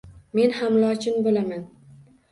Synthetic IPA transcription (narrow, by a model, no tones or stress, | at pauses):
me̞nhamlˠɒt͡ʃʰɪnbolaman